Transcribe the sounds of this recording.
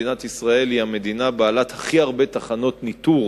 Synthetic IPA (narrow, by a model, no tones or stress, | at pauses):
inat̪isʁae̞lihame̞d̪inabaːlat̪haχiaʁbe̞t̪aχano̞t̪nit̪uʁ